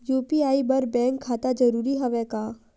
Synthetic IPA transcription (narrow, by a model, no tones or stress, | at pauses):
juːpiaːibɐɾbɛ̃ːŋkʰːaːt̪ad͡ʒəɾuːɾiɦɐʋɛkaː